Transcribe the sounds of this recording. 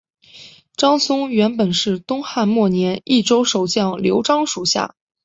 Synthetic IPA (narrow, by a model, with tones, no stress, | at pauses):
ʈ͡ʂɑ˥ŋsʊ˥ŋɥɛ˧˥npə˨˩nʂɻ̩˥˩t̪ʊ˥ŋxa˥˧nmwɔ˥˩njɛ˧˥ni˥˩ʈ͡ʂo˥ʊʂo˨˩ʊt͡ɕjɑ˥˩ŋljo˧˥ʊʈ͡ʂɑ˥ŋʂu˨˩ɕja̰˥˩